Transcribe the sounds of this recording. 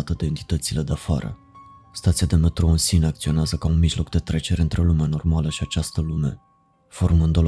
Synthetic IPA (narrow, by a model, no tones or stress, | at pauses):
t̪əd̪e̞ːnt̪i̥t̪ət̪sile̞d̪eafa̰ɾə̰ | st̪at̪siad̪e̞me̞t̪ɾo̞ɨnsineak̚t̪sio̞neazəkaunmiʒlo̞kd̪e̞t̪ɾe̞t͡ʃe̞ɾeɨnt̪ɾe̞lumeano̞rmaləʃiat͡ʃast̪əlume̞ | fo̞rmɨnd̪ol